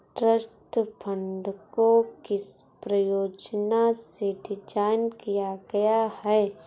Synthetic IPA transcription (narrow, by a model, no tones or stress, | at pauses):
ʈɾəsʈpʰə̃ɳɖkokɪs | pɾəjoːd͡ʒnaseɖɪd͡ʒaːɪnkijaɡɐjahɛː